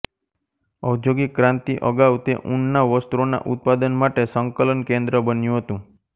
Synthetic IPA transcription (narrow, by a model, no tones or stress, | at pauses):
əwd͡ʒjoɡikɾãnt̪iʔəɡaʋt̪ḛʔuɳnaʋəst̪uɾona̰ʔut̪̚pad̪ənmaʈesəŋkələnkẽnd̪ɾəbənjũɦət̪ũ